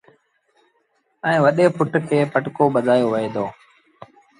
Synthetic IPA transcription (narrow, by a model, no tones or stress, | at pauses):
ɛ̃ːʋəɗeːpʊʈkʰeːpəʈkoːɓəd̪ʱaːjoːʋəeːd̪oː